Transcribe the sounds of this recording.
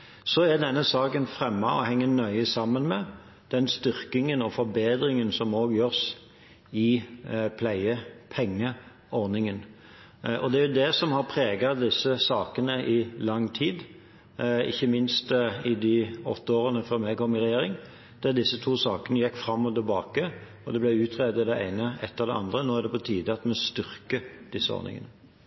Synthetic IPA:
sɔɛd̪ɛnːəsɑːkənfɾɛmːɑɔ̰hɛŋːənœʏəsɑmːənmɛ | d̪̥ɛnst̪ʏʁkɪŋənɔfɔɾbeːd̪ɾɪŋənsɔmoːɡjøːʁs | ɪpʰlæɪəpʰɛŋːə | ɔɾnɪŋən | ɔd̪ɛæɾjʊd̪ɛsɔmhɑɾpʰʁeːɡɑd̪ɪsːəsɑːkənəʔɪlɑŋːt̪ʰiːd̪ | ɪ̰çːəmɪnst̪ɪd̪ɪɔ̰t̪ːəoːʁənəfœʁmɛːkʰɔmɪʁɛjeːɾɪŋ | d̪̥ɛʁd̪ɪsːət̪ʰuːsɑːkənəjɛkːfɾɑmːɔt̪ɪlbɑːkə | ɔd̪ɛblæɪʉːt̪ʰʁeːd̪ɪd̪ɛæ̰ɪnəɛt̪ːɑʋd̪ɛɑ̰nd̪ʁənoːæʁd̪ɛpɔt̪ʰiːd̪əɑt̪mɛst̪ʏʁkəd̪̥ɪsːəɔ̰ʁnɪ̰ŋə̰nə

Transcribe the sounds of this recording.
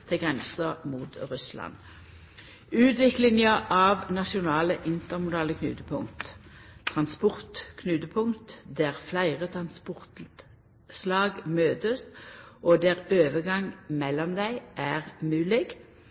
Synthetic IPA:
t̪ʰɪɡʁɛnsəmuːt̪ʁʉslɑ̰n | ʉːt̪ʋɪklɪŋəʔɑʋnɑʃʊnɑːləʔɪnt̪əʁmʊd̪ɑːləkʰnʉ̰ːt̪əpʰʊŋt̪t̪ʰʁɑnspɔʁt̪kʰnʉːt̪əpʰʊŋt̪d̪æʁflæɪʁət̪ʰʁɑnspʊʁt̪ | slɑːɡmøːt̪əst̪ʔoːd̪æːʁøːʋəɡɑŋmɛlːɔmd̪æɪʔæːʁmʉːlɪɡ

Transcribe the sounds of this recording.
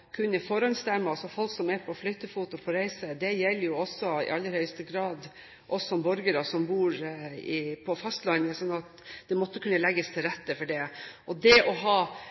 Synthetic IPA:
kʰʉnːəfɔɾɑnst̪æɾmːəɑsɔfɔlksɔmɛɾpʰɔflœt̪ːəfuːt̪ʊpʰɔɾæɪsəd̪ɛjɛlːəɾjʊɔsːɔɪ̰ʔɑlːəɾhœʏst̪əɡɾɑːd̪ | ʔɔsɔɔmbɔɾɡəɾɑsɔmbuːɾɪpʰɔfɑst̪lɑnːəsɔnːɑt̪d̪ɛmɔt̪ːəkʰʉnːəlɛɡːəst̪ʰɪlɾɛt̪ːəfɔɖɛʔɔd̪ɛɔɦɑː

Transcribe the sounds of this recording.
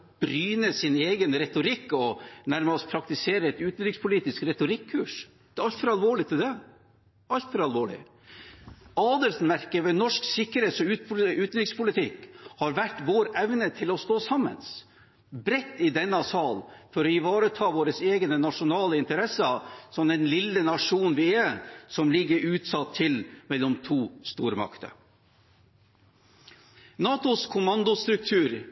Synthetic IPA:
b̥ɾyːnəsɪneːɡənɾɛt̪ʊɾɪkːɔnæɾmspʰɾɑkt̪ɪseːɾəɛt̪ʉːt̪n̩ɾɪkspʰʊliːt̪ɪskɾɛt̪ʊɾɪkʰːʉːʂ | d̪ɛɑlt̪fɔɾɑlʋoːɭɪt̪ʰɪld̪ɛ | ɑlt̪fɔɾɑlʋoːɭɪ̰ | ɑːd̪əlsn̩mæɾkəʋɛnɔʂksɪkːəɾeːt̪sɔʉːt̪̚pʉːt̪nɾɪkspʰʊlɪt̪ʰɪkːhɑɾʋæʈːʋoːɾɛʋnət̪ʰɪlɔst̪oːsɑmːə̰ns | bɾɛt̪ːɪd̪ɛnːəɑsɑːlfɔɾɔɪʋɑːɾət̪ʰɑːʋoːɾəseːɡnənɑʂʊnɑːləɪnt̪əɾɛsəsɔmd̪ɛnlɪlːənɑʂuːnʋɪɛsɔmlɪɡːəɾʉːt̪sɑt̪ʰːɪlmɛlːɔmt̪ʰuːst̪uːɾmɑ̰kt̪ə̰ | nɑːt̪ʊskʰʊmɑnd̪ʊst̪ɾʉk̚t̪ʰʉːɾ

